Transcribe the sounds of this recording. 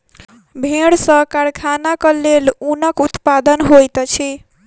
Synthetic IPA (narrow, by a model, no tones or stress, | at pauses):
bʱeɽsə̃kaɾkʰanakəlelunəkut̪pad̪ənɦojt̪t͡ʃʰi